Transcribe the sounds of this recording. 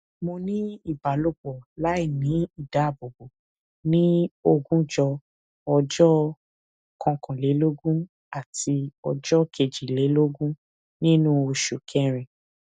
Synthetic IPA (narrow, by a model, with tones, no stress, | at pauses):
mo˧nĩ˦i˦˨ba˨lo˦bɔ˨la˨˦i˦˨nĩ˨˦i˦˨da˨˦˨bo˨bo˨ | nĩ˦o˧ɡũ˦d͡ʒɔ˧ | ɔ˧d͡ʒɔ˦ | kʰɔ̃˧kʰɔ̃˨le˨˦lo˦ɡũ˦ | a˦˨ti˧ɔ˧d͡ʒɔ˦kʰe˨d͡ʒi˨le˨˦lo˦ɡũ˦ | nĩ˦nũ˦o˧ʃu˨kʰɛ˦ɾ̃ĩ˨